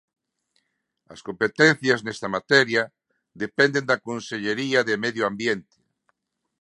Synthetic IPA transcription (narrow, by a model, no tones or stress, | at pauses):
ɐ̰skompet̪en̟θjaznɛst̪amat̪ɛɾja | ðepɛnd̪end̪akonseʎeɾiaðemeðjoambjent̪e̥